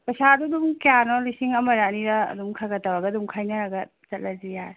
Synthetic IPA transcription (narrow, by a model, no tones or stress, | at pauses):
pɐsadudumkejanɔlisiŋɐmɐɾaniɾɐ̰ːdumkʰaɡɐtawaɡɐdumkʰajnɐɾaɡɐ | t͡ʃɐt̚lʔɐzija